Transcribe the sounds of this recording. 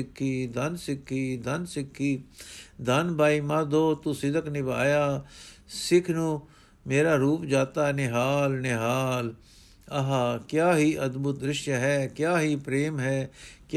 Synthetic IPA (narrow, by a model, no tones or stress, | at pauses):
ɪkʰːiːd̪ɐnsɪkʰːiːd̪ɐnsɪkʰːiːd̪anbaːimad̪oːt̪usɪd̪əknɪba̰ːjaːsɪkʰnũ | meːɾaːɾuːpd͡ʒaːt̪aːnɪɦaːlnɪɦaːl | ɐɦaːkjaːɦiːʔɐd̪bʊt̪ɾɪʃjaɦɛːkjaːɦipɾeːmɦɛːk